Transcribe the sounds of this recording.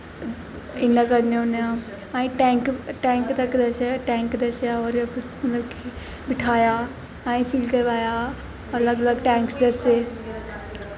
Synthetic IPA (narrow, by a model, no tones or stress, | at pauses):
ɪnəkɐɾnonjã | ɛ̃ĩʈɛ̃ːŋkʈɛ̃ːŋkt̪ɐkd̪ɐʃʈɛ̃ːŋkd̪ɐʃjaoɾmɐt̪ləbkʰe | bɪʈʰaːja | ɛ̃ĩfʰiːlkɐɾʋaːja | ɐləɡɐləɡʈɛ̃ːŋksd̪ɐse